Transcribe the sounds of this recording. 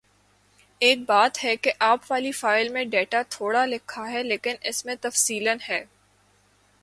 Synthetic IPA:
eːk̚baːt̪ɦɛkeʔaːpʋaːlifaːɪlmẽɖeːʈat̪ʰoːɽalɪkʰːaɦɛleːkɪnɪsmẽt̪ɐfsiːlənɦɛː

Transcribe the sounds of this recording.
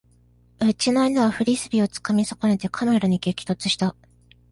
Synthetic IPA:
ɯt͡ɕinainaβaɸɯ̟ɾʲisɨbʲio̞t͡sɨ̥kamʲisakonet̪e̞kʰameɾaɲ̟ikekʲi̥t̪o̞t͡sɨ̥ɕi̥t̪a

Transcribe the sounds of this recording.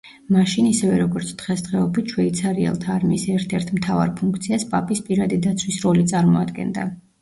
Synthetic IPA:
maʃinisɛvɛɾɔɡɔɾt̪sʰd̪̥ʁɛsd̪ʁɛɔbit̪ʰʃʰwɛit̪sʰaɾiɛ̰lˠt̪ʰaːɾmiːsɛɾt̪ʰɛɾt̪ʰmt̪ʰava̰ɾpʰuŋk̚ʰt̪sʰiaspʼapʼispʼiɾad̪id̪at̪sʰwisɾɔlit̪sʼaɾmɔad̪ɡɛ̰nd̪a̰

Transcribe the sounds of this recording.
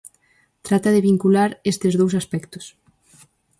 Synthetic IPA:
t̪ɾat̪ɐðeβiŋkulaɾest̪ezðowsaspɛkt̪ʊ̥s

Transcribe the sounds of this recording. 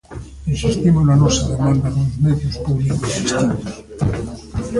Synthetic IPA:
ensist̪imonanosaðemãnd̪anolozmeðjospuβlikosist̪inos

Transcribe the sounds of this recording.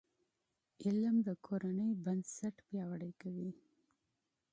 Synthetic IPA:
ɪlmd̪əkʰoɾanəjbansaʈpjɑwaɽəjkawi

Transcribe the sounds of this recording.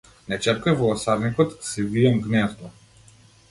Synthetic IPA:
nɛt͡ʃɛɾkajvɔɔsaɾnikɔt̪sɛviɛmɡnɛzt̪ɔ

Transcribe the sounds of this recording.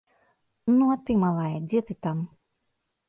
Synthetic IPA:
nuat̪ɨmalˠajɐd͡zʲɛt̪ɨt̪am

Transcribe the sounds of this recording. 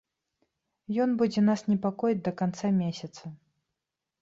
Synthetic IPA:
jɔnbud͡zʲɛnasnʲɛpakɔjid̚ʲd̪ɐkant̪samʲesʲɐt̪sɐ

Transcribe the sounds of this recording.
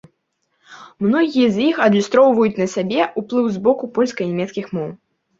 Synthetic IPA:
mnɔɣʲijɐzʲjixɐd̪lʲist̪ɾɔwvɐjut͡sʲnɐsʲabʲɛʔuplˠɨwzbɔkupɔlʲskɐnʲɛmʲɛt̪skʲixmɔw

